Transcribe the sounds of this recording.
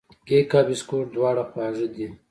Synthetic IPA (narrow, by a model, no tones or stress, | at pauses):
kekaːbiskoːɾd̪wɑːɽaxwɑːʐid̪i